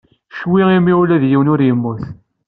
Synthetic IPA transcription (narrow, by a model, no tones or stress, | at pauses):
ʃwiimːiulæðjiwnʊɾjəmːʊθ